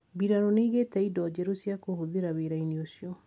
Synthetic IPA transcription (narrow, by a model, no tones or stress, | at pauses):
biɾaɾoneiɣetɛidɔd͡ʑɛɾosjakohoðeɾaβeɾainiosjɔ